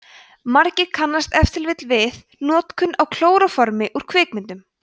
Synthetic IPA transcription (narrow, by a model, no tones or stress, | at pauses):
maɾcɪɾkʰanːast̪ɛft̪ɪlvɪt̪lvɪð | nɔːt̪kʰʏnːawkʰl̥oːwɾafɔɾmɪʔuɾ̥kʰvɪːkmɪnt̪ʏm